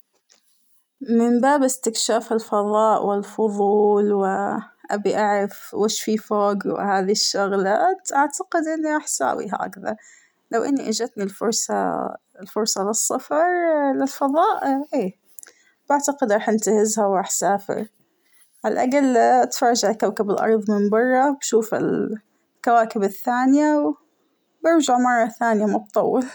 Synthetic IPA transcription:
mɪmbaːbʔɪst̪ɪkʃaːfalfɑðˤɑːʔwʔɪlfʊðˤuːlwɪʔa̰biʔaʕɾɑfweːʃfiːfoːɡwɪ̰haːðiʃːʊɣlaːt̪ʔaʕt̪aqɪd̪ʔɪnːiɾˤɑːħsa̰ːwḭɦa̰ʔa̰kðɑ̰ɾˤ | lawʔɪnːiʔad͡ʒat̪nilfʊɾˤsˤɑ̰ | lfʊɾˤsˤɑlɪsˤːɑfɑɾˤlɪlfɑðˤɑːʔʔeː | b̥aʕt̪aqɪd̪ɾˤɑːħʔɪnt̪ahɪzhawɾˤɑːħsaːfɪ̰ɾ | ʕalʔaɡalt̪fɑɾːd͡ʒaʕlkawkɪbɪlʔɑ̰ɾˤðˤmɪmbɑrˤːɑbʃuːfɪ̰l | kawaːkɪbɪθːaːnjaw | bɪɾd͡ʒaʕmɑrˤːɑθaːnjamʊbt̪ˤɑwːɪl

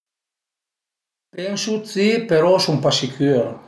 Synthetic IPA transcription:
pɛnsut͡sipeɾɔsumpasikʰøɾ

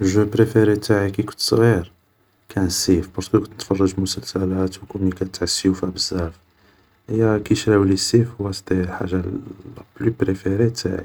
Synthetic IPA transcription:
ʒupɾefeɾit̪aʕikikʊ̥nt̪sˤɣiɾ | kʰænsifbɑɾˤskəkʊnt̪nə̥t̪fɑrˤːɑʒmʊsəlsælæt̪wkumikæt̪ʕasːiufæbəzːæɾf | həjːækiʃɾæwlisifhʊwːæsd̪iħa̰ʒablypɾefeɾet̪a̰ʕḭ

